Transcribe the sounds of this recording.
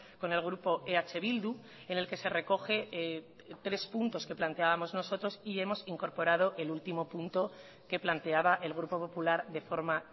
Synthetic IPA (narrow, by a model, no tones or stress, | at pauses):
ko̞ne̞lɣ̞ɾupo̞ʔeat͡ʃe̞β̞ild̪u | e̞ne̞lke̞se̞re̞ko̞xe̞ | t̪ɾe̞spunt̪o̞ske̞plant̪e̞aβamo̞zno̞so̞t̪ɾo̞sie̞mo̞siŋko̞ɾpo̞ɾað̞o̞ʔe̞lult̪imo̞punt̪o̞ | ke̞plant̪e̞aβaʔe̞lɣ̞ɾupo̞po̞pulaɾðe̞fo̞ɾma